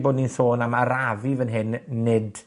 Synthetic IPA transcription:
boːdninθoːnamaɾavivənɦɪnːɪd

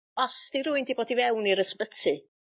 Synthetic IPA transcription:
ɔsd̥iɾuɨndiboːdivɛwniɾəspətʰɨ

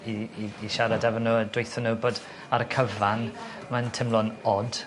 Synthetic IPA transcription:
iiːʃaɾadɛvɔnuədwejθənəbɔd | aɾkʰəvan | mantʰɪmlˠɔnɔd̥

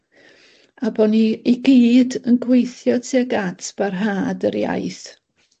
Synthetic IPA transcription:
abɔniiɡiːdənɡwejθjɔtʰiaɡatʰb̥arɦaːdəɾja̰jθ

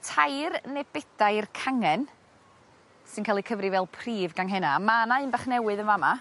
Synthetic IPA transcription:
tʰajrnɛbɛd̥ajrkʰaŋɛn | sɨnkʰaːlˠikʰəvrivɛlˠpʰriːvɡanɦɛnamanaɨnbaχnɛwɨðənvama

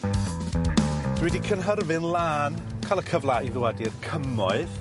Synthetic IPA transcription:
d̥wɛdikʰənɦərvɨnlˠaːnkʰalˠəkʰəvlˠaiðʊwadirkʰəmɔɨð

